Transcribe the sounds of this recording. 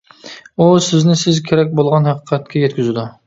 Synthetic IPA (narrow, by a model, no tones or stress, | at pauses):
usɪznɪsɪzkʲʰeɾɛk̚ʲbolˠʁɑnhæqʰəqʰɛt̪̚kʲʰɛjɛt̪kʲyzɪd̪u